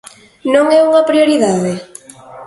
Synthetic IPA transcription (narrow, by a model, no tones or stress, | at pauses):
nõŋɛuŋɐpɾioɾiðaðe